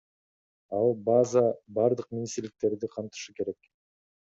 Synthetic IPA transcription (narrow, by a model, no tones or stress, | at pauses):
ɑlˠbazɑbɑɾd̪ɯq̚mʲinʲist̪iɾlik̚t̪e̞ɾd̪iqʰɑnt̪ɯ̥ʃɯke̞ɾe̞k